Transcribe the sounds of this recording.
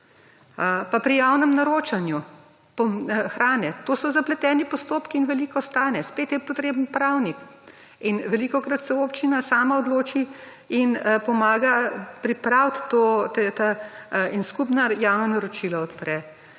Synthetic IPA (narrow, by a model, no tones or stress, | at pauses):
papɾijawnɛmnaɾoːt͡ʃanju | pɔxɾaːnɛt̪oːsɔzaplɛt̪ɛːnipɔst̪oːpkiːnʋɛlikɔst̪aːnɛspeːt̪jɛpɔt̪ɾeːbənpɾawnik | inʋɛlikɔkɾat̪sɛoːpt͡ʃinasaːmaɔd̪loːt͡ʃi | inpɔmaːɡapɾipɾawt̪ːot̪ɛt̪ainskupnajawnɔnaɾɔt͡ʃilɔɔt̪pɾɛ